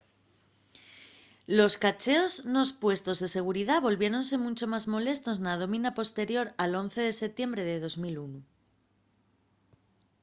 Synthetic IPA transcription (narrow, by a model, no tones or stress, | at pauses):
lo̞skat͡ʃe̞o̞zno̞spwe̞st̪o̞zðe̞se̞ɣ̞uɾið̞aβo̞lβje̞ɾo̞nse̞mũnt͡ʃo̞mazmo̞le̞st̪o̞snað̞o̞mĩnapo̞st̪e̞ɾjo̞ɾalo̞n̟θe̞ð̞e̞se̞t̪je̞mbɾe̞ðe̞ðo̞zmilunu